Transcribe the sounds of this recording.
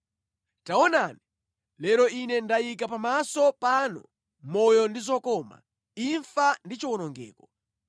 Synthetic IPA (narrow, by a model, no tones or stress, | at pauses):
taɔnani | lɛɾɔʔinɛndajikapamasɔpanɔ̰ | mɔjɔndizɔkɔma̰ | iɱfandit͡ʃiwɔnɔŋɡɛ̰ːkɔ̥